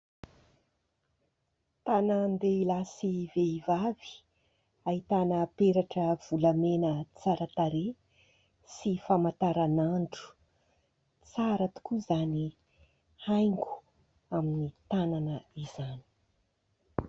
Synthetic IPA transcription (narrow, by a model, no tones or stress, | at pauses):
t̪anənd̪eilasiveivavi̥ | aɦit̪anəpeɾaʈ͡ʂəv̥ulamenət͡saɾət̪aɾe | sifamat̪aɾanaɳɖ͡ʐu̥ | t͡saɾət̪u̥kuzani | hajŋɡu̥ | aminit̪ananəizani̥